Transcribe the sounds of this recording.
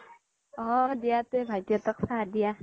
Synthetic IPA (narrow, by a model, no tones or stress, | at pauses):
ɔ̃dijat̪ebʱajt̪jɔt̪ɔksadija